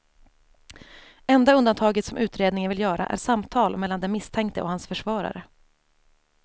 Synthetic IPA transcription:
ɛnd̪aɵnd̪ant̪ʰɑːɡət̪sɔmʔʉ̟ːt̪ɾeːd̪nɪŋənvɪljœːɾa̰ʔæ̰ʂamt̪ʰɑːlmɛlːand̪ɛmɪst̪ʰɛŋkt̪əʔɔhansfœʂvɑːɾa̰ɾə

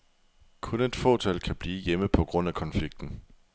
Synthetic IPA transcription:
kʰɔ̽ne̝d̥fɔ̰t͡sʰælkʰæb̥liːjeməpʰɒ̽ɡ̥ʁɔ̽n̰ækʰɒ̽nfliɡ̥̚d̥n̩

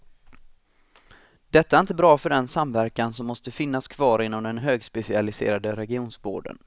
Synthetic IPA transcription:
d̪̥ɛt̪ːaɛɾɪnt̪əbɾɑːfœɖɛnsamvæɾkansɔmːɔst̪əfɪnːaskʰv̥ɑːɾɪnːɔmd̪ɛnɦøːɡspɛsɪalɪsḛːɾad̪əɾɛɡɪuːnsbo̰ːɖə̰n

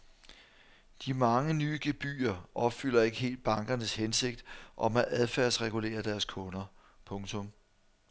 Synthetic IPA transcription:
d̥imɑ̈ŋənyːɡ̥e̝b̥y̰ːɐʔɒ̽b̥fyl̰ɐe̝ɡ̥əɦe̝̰ːld̥̚b̥ɑ̈ŋɡ̥ɐnəshense̝ɡ̥̚d̥ʔɒ̽mæʔæðˠfæɐ̰sʁɛɡ̥ule̝̰ːɐd̥æɐskʰɔ̽nɐ | pʰɔ̽ŋt͡sʰɔ̽m

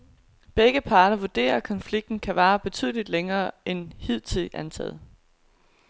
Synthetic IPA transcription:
b̥eɡ̥əpʰɑ̈ːɾ̥ɐʋuɐd̥e̝̰ːɐkʰɒ̽nfliɡ̥̚d̥n̩kʰæʋɑ̈ːb̥e̝t͡sʰy̰ːð̞̰ˠlid̥leŋɐːʔenhið̞̰ˠt͡sʰið̰ˠænt͡sʰɛ̰ːð̩ˠ

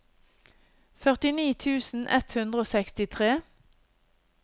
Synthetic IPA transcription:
fœʁt̪ɪniːt̪ʰʉːsn̩ʔɛ̰t̪hʉnd̪ʁəoːsɛkst̪ɪt̪ʰʁeː

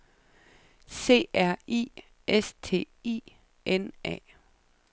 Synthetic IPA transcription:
se̝̰ːæɐ̰ḭː | est͡sʰe̝̰ː | ḭː | ʔenʔɛ̰ː

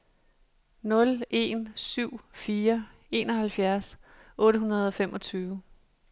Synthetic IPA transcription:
nɔ̽le̝̰nsyʊ̰fiːɐe̝ːnɒhælfjæɐsʔɔ̽ːɾəɦunɐð̞ˠɒ̽femʔɒ̽t͡sʰyːʊə

